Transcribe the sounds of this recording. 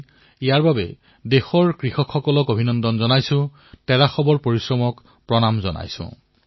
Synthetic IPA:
ijaɹbabɛ̰ | dexɔɹkɹixɔkʰxɔkɔlɔkobʱinɔndɔnzɔnajsʊ̃ | tɛɹaxɔbɔɹpoɹisɹɔmɔk | pɹɔnamzɔna̰jsʊ̰̃

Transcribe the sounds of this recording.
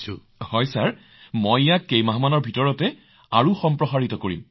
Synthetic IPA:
sṵ | hɔjsaɹ | mɔjjakːejmaɦamanɔɹbʱitɔɹɔtɛ | aɹuxɔmpɹɔxaɹitɔkoɹḭm

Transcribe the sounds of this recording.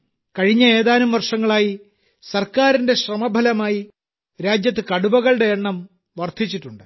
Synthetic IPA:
kɐɻiɲːɐe̞ːðaːnumʋɐrʂɐŋːɐɭaːji | sɐrkaːɾinde̞ɕrɐmɐbʱɐlɐmaːji | ɾaːd͡ʑjɐt̪ːɨkɐɽubɐɣɐɭɽe̞ːɳːɐm | ʋɐrt̪ʰit͡ɕːiʈːuɳɖɨ

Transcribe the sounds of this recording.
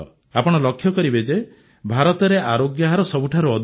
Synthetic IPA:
apɔɽ̃ɔlɔkʰːjɔkɔɾibed͡ʒe | bʱaɾɔt̪ɔɾeʔaɾoɡjaɦaɾɔsɔbuʈʰaɾuɔd̪ʱ

